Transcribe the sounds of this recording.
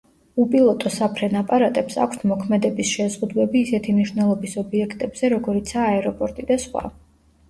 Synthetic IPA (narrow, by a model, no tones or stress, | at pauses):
upʼilˠɔt̪ʼɔsapʰɾɛnapʼaɾat̪ʼɛpsa̰kʷʰst̪ʰmɔkʰmɛd̪ɛbisʃɛzʁud̪wɛbiːsɛt̪ʰimniʃwnɛlˠɔbisɔbiɛkʰt̪ʼɛbz̥ɛɾɔɡɔɾit̪sʰaːɛɾɔpʼɔɾt̪ʼid̪asχwa̰